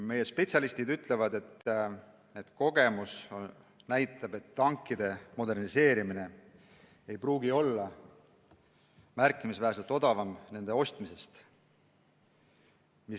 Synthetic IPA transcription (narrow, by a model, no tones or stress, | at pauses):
me̞je̞spe̞t̪sʲɑlist̪id̪yt̪ːˑle̞vɑd̪e̞t̪ː | ned̪̥ko̞ɡ̥e̞mus | næjt̪ːˑɑbe̞t̪ːɑŋkːˑid̪̥e̞mo̞d̪e̞rnise̞ːɾimine̞ | ejpruːɡio̞lːɑ | mærkːˑimisvæɦæs̬elt̪ˑo̞d̪̥ɑvɑmne̞nd̪e̞o̞st̪mise̞st̪ | mi